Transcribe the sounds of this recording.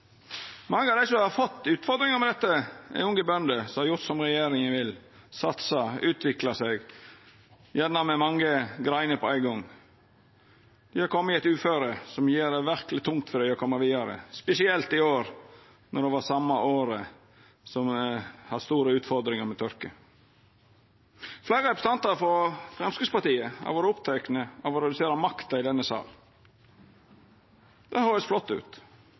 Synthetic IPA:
mɑŋːəɑʋd̪æɪsɔhɑɾfɔt̪ːʉːt̪fɔɾd̪ɾɪŋəɾmɛd̪ɛt̪ːəæ̰ɪʊŋɡəbœnd̪əsɔmhɑɾjʊɾt̪sɔmɾɛjeːɾɪŋæɪʋɪl | sɑt̪sɑʔʉːt̪ʰʋɪklɑsɛɡ | jɛnːɑmɛmɑŋːəɡɾæɪnəpɔæɪɡɔŋ | d̪̥ɪhɑɾkʰɔmːəæɪt̪ʉːføːɾəsɔmjeːɾd̪ɛʋæɾkəlɪt̪ʰʊŋt̪fɔɾɖ̪æɪɔkʰɔmːəʋiːd̪ɑɾə̰spɛsɪɛlt̪ɪoːɾ | nɔd̪ɛʋɑsɑmːɑʔoːɾə | sɔmhɑd̪st̪uːɾəʉːt̪fɔɾd̪ɾɪŋəɾmɛt̪ʰœɾkə | flæɪːɾəɾɛpɾəst̪ɑnt̪ɑɾfɔɾfɾɛmskɪɡ̪spɑt̪iːəhɑ̰ʋoːɾəʊpt̪ʰæɪknəɑʋɔɾɛd̪ʉseːɾɑmɑkt̪ɑɪd̪ɛnːəsɑ̰ːl | d̪̥ɛhøːɾəsflɔt̪ːʉ̰ːt̪

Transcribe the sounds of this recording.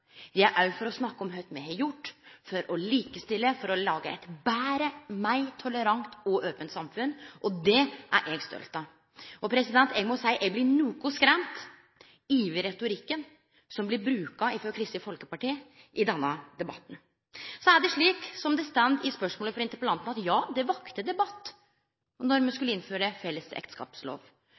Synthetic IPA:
d̪ɪæɾʔæɾfɔɾɔsnɑkːəɔmɦœt̪mɛhɛjʊʈːfɔɾɔliːkəst̪ɪlːəfɔɾɔlɑːɡəɛ̰t̪bæːɾəmæɪt̪ʰɔləɾɑŋt̪ɔʔøːpənt̪sɑmfʉnʔɔd̪ɛʔæ̰ɾʔɛɡst̪œ̰lt̪ɑ | ʔɔpʰɾɛsɪd̪ɛnt̪ɛɡmʊsæɪʔɛɡblɪnuːkʊskɾɛmt̪ | iːʋəɾɛt̪ʊɾɪkːən | sɔmblɪbɾʉːkɑɪfɾɔɾkʰɾɪst̪ɪfɔlkəpɑʈiːə | ʔɪd̪ɛnːəd̪ɛbɑ̰t̪ːn̩ | sɔæɖɛʂɭiːksɔmd̪ɛst̪ænd̪ɪspœʂmoːləfɾɪnt̪əɾpəlɑnt̪ənɑt̪jɑːd̪ɛʋɑkt̪əd̪ɛbɑt̪ː | nɔɾmɛskʉləɪnføːɾəfɛlːəsɛ̰kt̪skɑ̰ːpslo̰ːʋ

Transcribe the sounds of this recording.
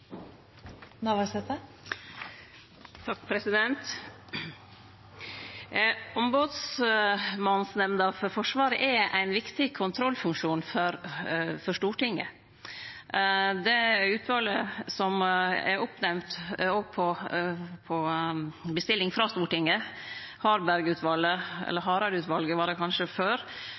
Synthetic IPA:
nɑʋɑsɛt̪ə | t̪ʰɑk̚ːpʰɾɛsɪd̪ɛnt̪ | ɔmboːd̪s | mɑnn̩snɛmnəɑfɔɾfɔʂʋɑːɾəʔɛæɪnʋɪkt̪ɪkʰʊnt̪ʰɾɔlfʉŋkʂuːnfɔɾfɔʂtuːʈɪŋːə̰ | d̪ɛʉːt̪ʰʋɑləsɔmɛ̰ɾʊpnɛmt̪oːɡ̚pʰɔ | pʰɔ | bəst̪ɪlːɪŋfɾɑst̪uːʈɪŋːəhɑːɾbæɾɡʉːt̪ʰʋɑlːəɛ̰lːəɾɦɑːɾɑɾʉːt̪ʋɑlɡəʋɑːɖɛkʰɑnʂəføːɾ

